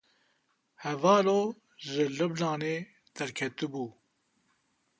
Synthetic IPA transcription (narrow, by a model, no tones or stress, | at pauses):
hɛvɑːloː | ʒɨlɨblaːneː | d̪̥ɛɾkʰɛt̪ɨbuː